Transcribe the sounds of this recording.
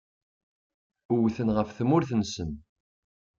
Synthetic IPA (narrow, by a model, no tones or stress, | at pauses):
uwθənʁəfθəmʊɾθənsən